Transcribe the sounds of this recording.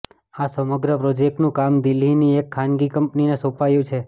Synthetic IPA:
asəməɡɾəpɾod͡ʒek̚ʈnũkamd̪ilːiniekʰːanɡikəmpninesopajũt͡ʃʰe

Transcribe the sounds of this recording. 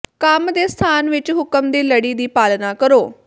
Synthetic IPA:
kəmd̪eːst̪ʰaːnʋɪt͡ʃɦʊkəmd̪eːləɽiːd̪iːpaːlnaːkəɾoː

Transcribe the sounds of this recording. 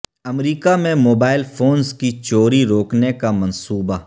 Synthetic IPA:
ɐmɾiːkamẽmoːbaːɪlfʰoːnskit͡ʃoːɾiɾoːknekamɐ̃nsuːba

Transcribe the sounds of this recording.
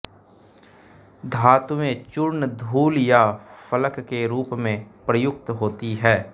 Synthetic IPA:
d̪ʱaːt̪ʋẽt͡ʃʊɾnd̪ʱuːljafʰələkːeɾuːpmẽpɾəjʊk̚t̪ɦoːt̪iɦɛː

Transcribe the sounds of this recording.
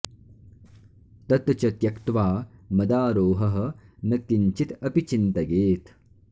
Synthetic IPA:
t̪ɐt̪t͡ʃɐt̪jɐkt̪ʋaːmɐd̪aːɾoːɦɐɦɐ̆nɐkːiɲt͡ʃit̪ɐpit͡ʃint̪ɐɡeːt̪

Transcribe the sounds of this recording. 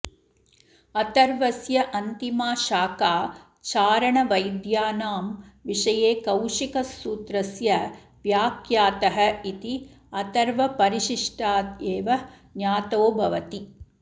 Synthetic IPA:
ɐt̪ɐɾʋɐsjɐʔɐnt̪imaːʃaːkaː | t͡ʃaːɾɐɳɐʋɐjd̪jaːnaːmʋiʂɐjeːkɐwʂikɐsːuːt̪ɾɐsjɐ | ʋjaːkjaːt̪ɐɦɐ̆it̪i | ɐt̪ɐɾʋɐpɐɾiʃiʂʈaːt̪eːʋɐ | njaːt̪oːbʱɐʋɐt̪i

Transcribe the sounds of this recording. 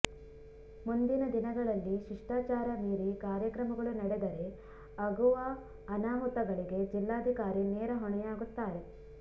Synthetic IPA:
mund̪inɐd̪inɐɡɐɭɐlːiʃiʂʈaːt͡ʃaːɾɐmiːɾikaːɾjɐkɾɐmɐɡɐɭunɐɽed̪ɐɾe̞ | ɐɡuʋɐː | naːmut̪ɐɡɐɭiɡe̞d͡ʒilːaːd̪ʱikaːɾineːɾɐɦɔɳɛjaːɡut̪ːaːɾe̞

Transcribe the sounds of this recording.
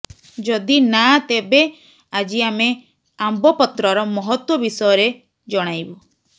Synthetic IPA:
d͡ʒɔd̪inat̪ebe | ad͡ʒiame | ambɔpɔt̪ɾɔɾɔmɔɦɔt̪wɔbisɔjɔɾe | d͡ʒɔɽ̃ajbu

